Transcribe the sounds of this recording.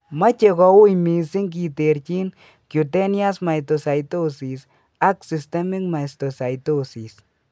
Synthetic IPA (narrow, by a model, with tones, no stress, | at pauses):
ma˦t͡ʃe˨kɔ˨wu˦jmi˨si˦ŋk̬i˨te˨ɾt͡ʃi˦n | kju˨tɛ˦nja˦sma˨jto˨sa˨jto˦si˨s | a˦ksi˨ste˦mi˦kma˨sto˨sa˨jtosi˨s